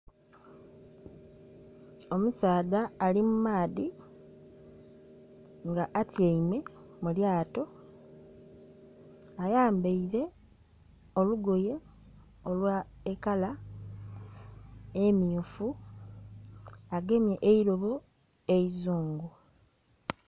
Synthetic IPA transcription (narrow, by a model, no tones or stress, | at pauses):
o̞musaːðaːlimumaːði | ŋɡaʔatjeimwe̞muljaːto̞ | ajaːmbeiɾe̞ | o̞luɡoje̞ | olwaekala | emiofu | aɡe̞mje̞ʔeiɾoβu | e̞izuːŋɡu